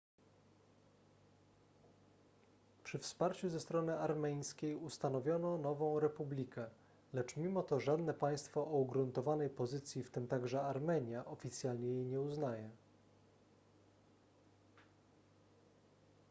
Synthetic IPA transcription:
pʂɘfspaɾt͡ɕuzɛst̪ɾɔnɘʔaɾmɛj̃skʲejust̪anɔvʲjɔnɔnɔvɔ̃w̃ɾɛpublʲikɛ | lɛt͡ʂmʲimɔt̪ɔʐad̪nɛpaj̃st̪fɔʔːuɡɾunt̪ɔvanɛjpɔzɘt̪sʲjift̪ɘmt̪aɡʐɛaɾmɛɲjaʔɔfʲit̪sʲjalɲɛjejɲɛuznajɛ

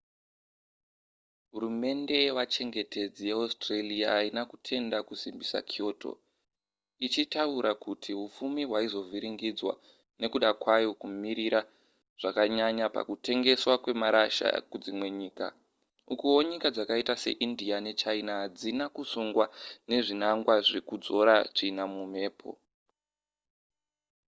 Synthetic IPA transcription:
ɦuɾume̞nde̞wat͡ʃe̞ŋɡe̞te̞d͡zijeastraliaːinakutʰe̞ndakusimbisa̰kʰio̞ːto̞̰ | it͡ʃitauɾʔakutʰiɦufumiɦwaizo̞vʱiɾiŋɡid͡zwa̰ | ne̞kuɗakwajo̞kumiɾiɾa | ʐ̥akaɲaɲapa̰kute̞ŋɡe̞swakwe̞maɾaʃa̰kud͡zimwe̞ɲiːka̰ | ukuwo̞ɲikad͡zakaitase̞̰ʔindiane̞t͡ʃainad͡zinakusuŋɡwane̞ʐinaŋɡwaʐe̞kud͡zo̞ɾat͡ʂinamume̞ːpʰo̰

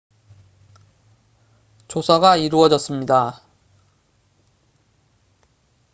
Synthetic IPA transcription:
t͡ɕosʰaɡaiɾuʌd͡ʑʌs͈ɯmɲida

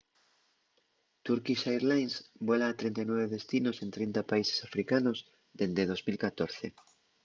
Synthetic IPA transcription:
t̪uɾkiʃajɾlajnsbolaːt̪ɾĩnt̪ajnwɔβeðest̪inosẽnt̪ɾint̪apaise̥safɾikanoz | d̪end̪eðozmilkat̪oɾθe

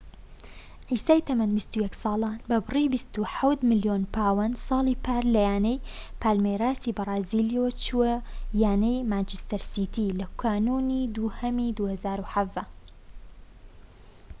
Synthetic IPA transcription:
ʕiːsaːjt̪ɐmɐnbist̪ujɛksɑːlˠaːnbɐbɨribist̪uħawt̪mɪljoːnpʰaːwɐnsˤɑːlˠiːpʰaːɾlɐjaːnɛjpʰaːlmeɾaːsiːbɐrˤɑːziːlijot͡ʃuwɐjaːnɐjmaːnt͡ʃɪst̪ɐɾsiːt̪ʰilɐkʰaːnuːniːd̪uhɐmid̪uːhɐzaːɾuħɐvd̪ɐ

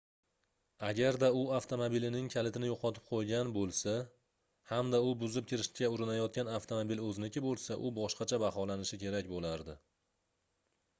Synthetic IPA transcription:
aɡʲaɾd̪aʊaft̪ʰomobilɪnɪŋkʲʰalɪt̪ʰɪnɪjoqʰɒt̪ʰɪ̥p̚qʰojɡʲanbolˠsa | hamd̪aʊbʊzɪp̚kʲʰɪɾɪʃʲaʊɾɪnajɒt̪̚kʲanaft̪ʰomobilɵznɪkʲʰɪbolˠsaʔʊbɒʃqɑt͡ʃʰabahɒlanɪʃɪkʲʰe̞ɾakʲbolaɾd̪ɪ

